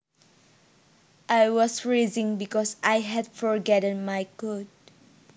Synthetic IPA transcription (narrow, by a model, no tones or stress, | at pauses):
ʔajwɔsɹezɪ̃ŋbɪkɔsʔajɦɛdfɔɹɡɛɾɛ̃nmajkʊd̚